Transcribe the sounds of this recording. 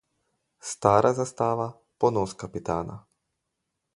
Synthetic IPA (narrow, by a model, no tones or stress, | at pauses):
st̪aːɾazast̪aːʋa | ponoskapit̪aːna̰